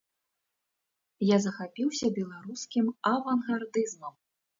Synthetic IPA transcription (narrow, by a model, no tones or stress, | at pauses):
jazɐxapʲiwsʲɐbʲɛlˠaɾuskʲimɐvɐnɣard̪ɨzmɐm